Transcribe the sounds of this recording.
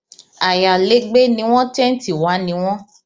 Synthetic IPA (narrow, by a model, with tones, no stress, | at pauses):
a˨ja˨le˨˦ɡ͡be˦nĩ˨˦w̃ɔ̃˦tɛ̃˦n̩˦ti˨wa˨˦nĩ˨˦w̃ɔ̃˦